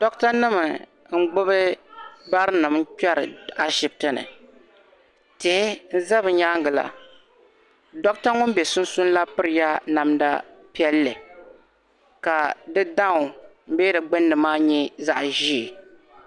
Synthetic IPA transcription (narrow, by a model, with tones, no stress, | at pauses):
dɔ˦kta˦nɨ˦mɨ˨ | ŋ̩˦ɡ͡bʊ˦βɨ˦ba˦ɾɨ˦nɨ˨m̩˦kɛ˦ɾɨ̰˨a˦ʃɪ˨b̚tɨ˦nɨ̰˨ | te˨˦n̩˦za˦bɨ˨ɲa˦ŋɡɨ˨la̰˨ | dɔ˦kta˦ŋʊ˦m˦bɛ˨sʊ˦n̩˦sʊ˦n˦la˦pɨ˦ɾɨ˨ja˦na˨mda̰˦ | pi˦ɛ˦lːɨ˨ | ka˨dɨ˦da˦ŋʊ˨m̩˦bɛ˦dɨ˨ɡ͡bɨ˦nːɨ˨maː˦ɲɛ˦za˦ʔʒi˦˨